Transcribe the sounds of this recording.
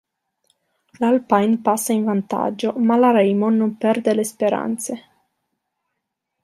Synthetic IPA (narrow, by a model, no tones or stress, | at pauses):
lalpajnpasːainvant̪a̰d͡ʒːomalaɾɛjmonompɛrd̪elespeɾa̰nt̪se